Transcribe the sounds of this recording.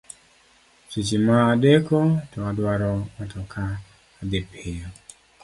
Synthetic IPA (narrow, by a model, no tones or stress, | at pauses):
t͡ʃit͡ʃimaːdekotɔadwaɾɔmatʰɔkʰaː | depʰɪja